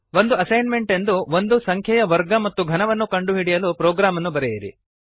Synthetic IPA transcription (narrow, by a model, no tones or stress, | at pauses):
ʋo̞nd̪uɐsɐjnme̞ɳʈe̞nd̪uʋond̪usɐŋkʰjɐjɐʋɐɾɡɐmɐt̪ːuɡʱɐnɐʋɐnːukɐɳɖuɦiɽijɐlupɾɔːɡɾaːmɐnːubɐɾɛjɐɾḭ